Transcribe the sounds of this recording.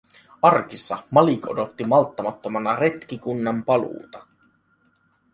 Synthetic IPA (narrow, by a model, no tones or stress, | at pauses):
ʔɑrkisːɑmɑlikodo̞t̪ːimɑlt̪ːɑmɑt̪ːomɑnɑre̞t̪k̟ikunːɑmpɑlṵːt̪ɑ